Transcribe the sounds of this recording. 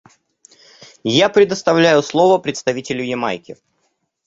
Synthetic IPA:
japɾʲɪd̪əst̪ɐvlʲæjʊslˠo̞vəpɾʲɪt̪st̪ɐvʲitʲɪlʲʊjɪma̰jkʲɪ

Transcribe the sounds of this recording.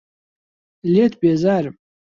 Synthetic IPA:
lʲetʰbiazarʼ

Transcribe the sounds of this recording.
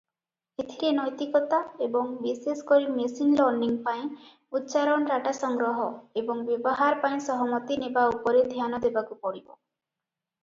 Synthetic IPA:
et̪ʰiɾenɔjt̪ikɔt̪aebɔŋbisesɔ̥kɔɾimesinlɔɾniŋpaĩ | ut̪ːt͡ʃaɾɔnɔɾaʈasɔŋɡɾɔɦɔebɔŋbjebɔɦaɾpaĩsɔɦɔmɔt̪inebaupɔɾed̪ʱjanɔd̪ebakupɔɽibɔ̰

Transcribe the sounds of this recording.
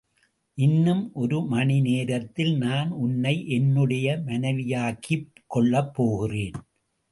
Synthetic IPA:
ʔɪnːɯmʔɔɾɯmɐɳɪneːɾɐt̪ːɪlnaːnʊnːɐɪʔɛnːɯɽɐjɐmɐnɐɪʋɪjaːɣikːɔɭːɐpːoːɣɪreːn

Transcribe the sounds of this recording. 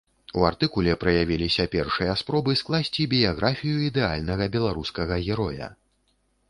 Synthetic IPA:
uart̪ɨkulʲɛpɾɐjavʲilʲisʲɐpʲɛrʂɨjɐspɾɔbɨsklˠasʲt͡sʲibʲijaɣɾʔafʲijuid̪ɛa̰lʲnɐɣɐbʲɛlˠaɾuskɐɣɐɣʲɛɾɔjɐ̰

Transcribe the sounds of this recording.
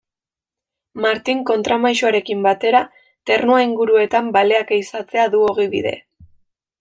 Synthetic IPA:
maɾt̪iŋko̞nt̪ɾamajʃoaɾe̞kimbat̪e̞ɾa | t̪e̞rnuaiŋɡuɾue̞t̪ambale̞akeisat͡se̞aðuo̞ɣ̞iβḭðe̞̰

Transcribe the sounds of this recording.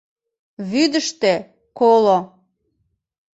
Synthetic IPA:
βyd̪əʃt̪e | kolo

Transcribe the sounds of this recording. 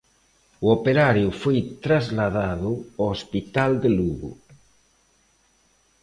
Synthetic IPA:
uopeɾaɾjufojt̪ɾazlaðaðuoospit̪ald̪eluɣṵ

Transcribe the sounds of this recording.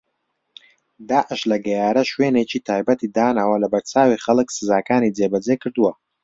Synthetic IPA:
d̪aːʔəʃlɐɡɐjaːɾɐʃweːnet͡ʃʰit̪ʰaːjbɐt̪ʰid̪aːnawɐlɐbɐɾt͡sʰaːwiχɐlɨksɨzaːkʰaːnid͡zeːbɐd͡zekʰɨɾd̪uwɐ

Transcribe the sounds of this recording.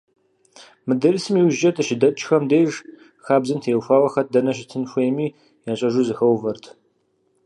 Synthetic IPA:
mɨdɐrisɨmiːwʒɐtʰʼɨʃɪdɐt͡ʃʼxɐmdejʒ | xaːbzɨmtʰeːwfaːwɐxɐt̚ʰdɐnɐʃ̬ɪtʰɨnxʷejmiː | jaːɕʼɐʒuːzɨxɐwvɐrtʰ

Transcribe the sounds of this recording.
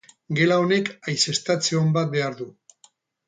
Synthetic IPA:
ɡe̞lao̞ne̞kajse̞st̪at͡seombat̪̚be̞aɾðu

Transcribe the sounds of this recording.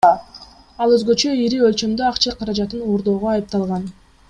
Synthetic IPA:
ɑlˠøzɡø̞t͡ʃø̞iɾiølt͡ʃø̞md̪øɑqt͡ʃɑqʰɑɾɑd͡ʒɑt̪ɯnoːɾd̪o̞ːʁoɑjɯp̚t̪ɑlˠʁɑn

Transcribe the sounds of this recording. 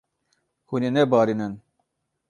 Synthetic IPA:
hunenɛbɑːɾinɨn

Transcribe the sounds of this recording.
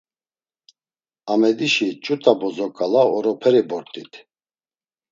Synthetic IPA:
amɛd̪iʃit͡ʃʼut̪ʼabɔzɔkʼalaɔɾɔpʰɛɾibɔɾt̪ʼit̪ʰ

